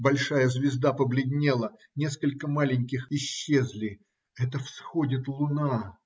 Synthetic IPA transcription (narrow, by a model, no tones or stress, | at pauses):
bɐlʲʂajəzvʲɪzd̪apəblʲɪd̪ʲnʲelˠə | nʲe̞skəlʲkəmalʲɪnʲkʲɪxɪɕːe̞zlʲɪ | ɛt̪əfsxodʲɪt̪lˠʊna